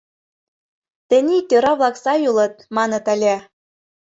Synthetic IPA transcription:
t̪ɘ̆nʲit̪ʲøɾɑβlɑksɑjulɤ̆t̪̚mɑnɤ̆t̪ælʲæ

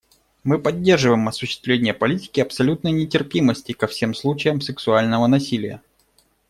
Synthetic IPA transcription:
mɨpɐdʲːerʐɨvəjɪmɐsʊɕːɪ̥st̪vʲlʲenʲɪjəpɐlʲitʲɪ̥kʲɪɐpsɐlʲut̪̚nəjnʲɪtʲɪrpʲiməsʲtʲɪkɐfsʲe̞mslˠut͡ɕɪjəmsɨksʊalʲnəvənɐsʲilʲɪjə̰

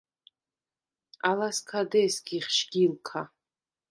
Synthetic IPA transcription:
alaskʰadesɡʲiχʃɡ̥ʲilkʰa

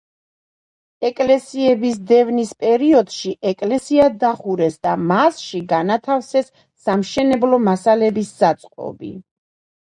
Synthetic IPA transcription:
ɛkʼlɛsiɛbisd̪ɛvnispʼɛɾiɔd̪ʃiʔɛkʼlɛsiad̪aχuɾɛsd̪amasʃiɡanat̪ʰafsɛsː | amʃɛnɛblɔmasalɛbisːat̪sʼqʼɔ̰bḭ

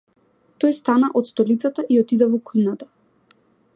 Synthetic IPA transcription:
t̪ɔjst̪anaʔɔt̪st̪ɔlit̪sat̪aʔiɔt̪id̪ɛvɔkujnat̪a

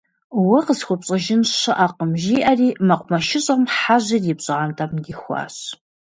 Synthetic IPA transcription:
wɐqəsxʷʊpɕʼɐʒɪnɕɨʔaqəmʒiːʔɐriːmɐqʷʼmɐʃɪɕʼɐmħaʑɪrjɪpɕʼɨʁantʼɐmdixʷɑ̰ːɕ

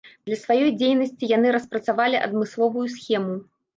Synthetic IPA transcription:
d̪lʲɐsvajɔjd͡zʲejnɐsʲt͡sʲijan̪ɨɾɐspɾɐt̪savalʲiʔɐ̰d̪mɨslˠɔvujusxʲɛmu

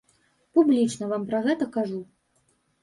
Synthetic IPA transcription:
publʲit͡ʂnɐvampɾɐɣɛt̪ɐkaʐu

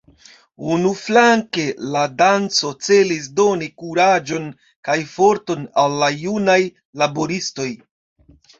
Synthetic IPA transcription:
unuflaŋke̞ladant͡so̞t͡se̞lis̬do̞nikuɾad͡ʒo̞n | kajfo̞ɾto̞nalːajunaj | labo̞ɾisto̞j

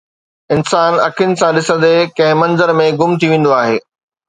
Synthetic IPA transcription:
ɪnsaːnɐkʰɪnɪ̆sãɗɪsə̃nd̪ekɐ̃ɦɪ̃mɐ̃nzəɾmẽɡʊmt̪ʰiʋẽːn̆d̪oaːɦeː

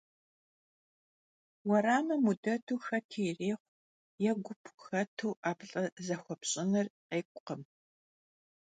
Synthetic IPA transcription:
wɐɾaːmɐmudɐtʰuːxɐtʰiːreːχʷ | jɛɡʷʊpʰxɐtʰuːʔaːpɬʼɐzɐxʷɔpɕʼɪnɐrqeːkʷʼqəm

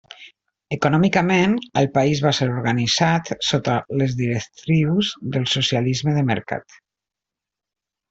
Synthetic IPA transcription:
əkunɔmikəmenəlˠpaizβaseɾuɾɣanizat̪sot̪ələzðiɾəkt̪ɾiwzðəlˠsusializməðəmə̰ɾka̰t̪

